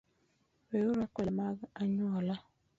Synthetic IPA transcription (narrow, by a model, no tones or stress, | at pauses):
ɾeʊɾakʷɛmaɡaɲʊɔla